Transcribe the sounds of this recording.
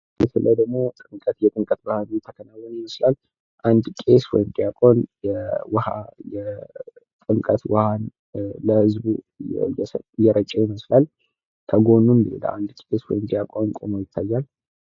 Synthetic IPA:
mɛt̪ʰɨlʔəd̪əɡmo̞t̪ʼɨŋkʼət̪jɛt̪ʼɨŋkʼət̪bəhanujɛt̪ʰəkʰənawːənjɪməslal | ʔand̪kʼe̞swɔ̰jɪmd̪ijakʼo̞njɛwhajɛ | t̪ʼɨŋkʼət̪wəhan | ləhɨzbu | jɛsjɛɾət͡ʃʼːɛjɪməslal | kʰəɡo̞numbəḛla̰ʔa̰nd̪kʼeswɔ̰jɪmd̪ijakʼonkʼomojɪt̪ʰːajːal

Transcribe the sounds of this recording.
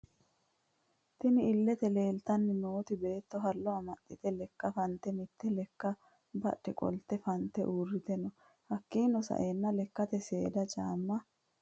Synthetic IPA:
t̪ɪnɪɪlːɛt̪ɛle̞ːlt̪ɐnːɪno̞ːt̪ɪbe̞ːt̪ːɔɦɐlːɔɐmɐtʼːɪt̪ɛlɛkːɐfɐnt̪ːɛmɪt̪ʰːɛlɛkːɐ | bɐ̰ɗːɪkʼɔ̰lt̪ːɛfɐnt̪ːɛʔuːrːɪt̪ɛnɔ | hɐkːiːnɔsɐ̰ʔeːnːɐlɛkːɐt̪ɛse̞ːd̪ɐt͡ʃʼaːmːɐ

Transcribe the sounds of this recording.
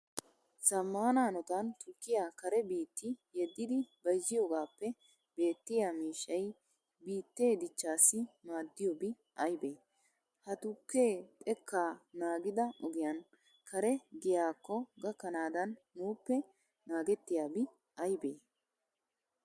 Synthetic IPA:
sɐmːaːnaːnɔt̪ɐnt̪ʊkːɪjakɐɾɛbiːt̪ːɪjɛd̪ːɪd̪ɪbɐjzɪjoːɡaːpːɛ | b̥e̞ːt̪ːɪjamiːʃːɐj | biːt̪ːe̞ːd̪ɪt͡ʃːaːsːɪmaːd̪ːɪjɔbɪ | ʔɐjbeː | hɐt̪ʊkːe̞ːt̪ʼɛkʰːaːnaːɡɪd̪ɐʔɔɡɪjɐn | kɐɾɛɡɪjaːkːɔɡɐkːɐnaːd̪ɐnːuːpːɛ | naːɡɛt̪ːɪjaːbɪ | ɐjbeː

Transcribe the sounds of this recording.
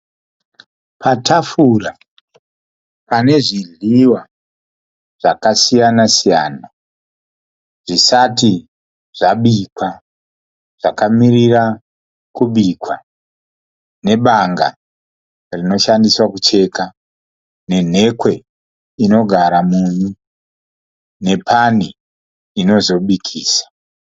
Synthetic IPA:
pʰatʰafura | pane̞ʐiɮiwa | ʐ̥akasijanasijaːna | ʐisati | ʐ̥aɓikwa | ʐ̥akamiɾira | kuɓikwa | ne̞ɓaŋɡa̰ | rino̞ʃandiswakut͡ʃe̞ka | ne̞n̤e̞kwe̞ | ino̞ɡʱaɾamunu | ne̞pʰani | ino̞zo̞ɓikʰiːsḁ

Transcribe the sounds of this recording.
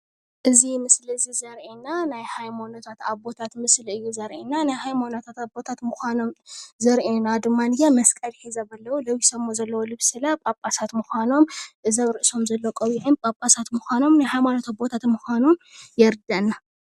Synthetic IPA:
ʔɨzimɨslɨzizɐɾʔenːanajhajmonot̪ʰat̪abo̞t̪ʰat̪mɨslɨjːuzɐɾʔenːanajhajmonot̪ʰat̪abo̞t̪ʰat̪mɨxʷano̞mzɐɾʔenad̪ɨmːanɨjamɐskʼɐlħizɐβɐlːɐwulɐwisɐmːozɐlːɐwolɨβsɨlapʼapʼasat̪mɨxʷano̞mʔɨzɐβɾɨʔɨso̞mzɐlːokʼɐβiʕɨnpʼapʼasat̪mɨxʷano̞mnajhajmanot̪ʰabo̞t̪ʰat̪mɨxʷanomjɛɾd̪anːa

